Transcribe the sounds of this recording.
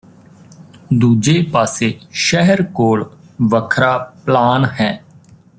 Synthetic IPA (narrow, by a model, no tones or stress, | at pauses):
d̪uːd͡ʒeːpaːseːʃɛɦəɾkoːɭ | ʋəkʰɾaːplaːnɦɛː